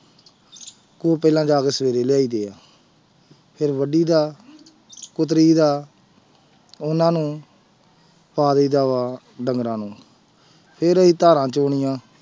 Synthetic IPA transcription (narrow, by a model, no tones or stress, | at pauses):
koːpɛːlãːd͡ʒaːkeːsəʋeːɾeːlɪjaːiːd̪eːaː | pʰɪɾʋəɖiːd̪aː | kʊt̪ɾiːd̪aː | ʊnãːnũː | paːd̪iːd̪aːaː | ɖəŋɡɾãːnũː | pʰɪɾəiːt̪aːɾãːt͡ʃoːɳɪjãː